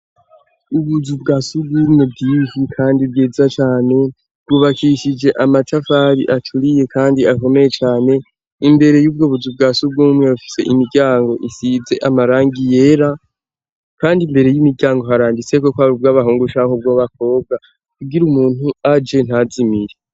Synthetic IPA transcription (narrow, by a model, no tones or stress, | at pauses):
uβuzubɡaːsubɡuːmŋe̞b̚ɡihikʰaːndibɡiːzat͡ʃaːne̞ | bɡuβakiʃid͡ʒe̞ʔamatʰafaɾiʔat͡ʃtʰuɾije̞kʰaːndiako̞me̞je̞t͡ʃaːne̞ | imbe̞ɾe̞juːb̚ɡoːβuzub̚ɡasub̚ɡuːmŋe̞ufi̥se̞ʔimiɾɟaːŋɡo̞ʔisize̞ʔamaɾaːŋɡije̞ɾa | kaːndimbe̞ɾe̞jimiɾɟaːŋɡo̞ɦaɾaːndit͡se̞ko̞kwaβub̚ɡaβaɦuːŋɡuʃahob̚ɡoβak̚o̞ːb̚ɡa | kuɡiɾumuːn̥huad͡ʒe̞n̥hazimiɾe